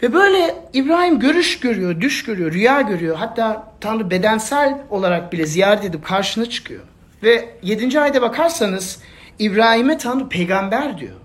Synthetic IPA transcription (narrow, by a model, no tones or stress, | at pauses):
vɛbø̞jlʲɛibɾaːhimɟø̞ɾyʃɟø̞ɾyjod̪yʃɟø̞ɾyjo̞ɾyjaːɟø̞ɾyjo̞ɦat̪ʰːaːt̪ʰanɾube̞d̪ænsælʲo̞lˠaɾak̚bilʲɛzijaːɾɛt̪ʰe̞d̪ip̚kʰaɾʃɯnat͡ʃʰɯ̥kʰɯjo̰ | vɛje̞d̪ind͡ʒiajd̪abakʰaɾsanɯz̥ | ibɾaːhimɛt̪ʰanɾupʰejɡambæɾd̪ḭjo̰